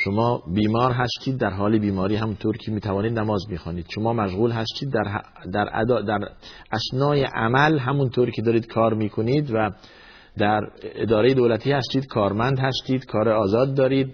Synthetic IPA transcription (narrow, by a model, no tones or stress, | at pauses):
ʃomɒːbiːmɒːɾɦæst̪iːd̪̚ːæɾɦɒːlebiːmɒːɾiːɦæmunt̪ʰoːɾkʰemiːt̪ʰævɒːniːd̪næmɒːzmiːxɒːniːd̪̥ʃomɒːmæʃɣuːlɦæst̪iːd̪ːæɾ | d̪æɾæ̰d̪ɒːd̪æɾʔæsnɒːjeʔæmælɦæmunt̪ʰoːɾkʰed̪ɒːɾiːd̪̥kʰɒːɾmiːkʰoniːd̪væ | d̪æɾḛd̪ɒːɾejed̪oːlæt̪ʰiːhæst̪iːd̪kʰɒːɾmænd̪hæst̪iːd̪̥kʰɒːɾeɒːzɒːd̪ːɒːɾiːd̪̚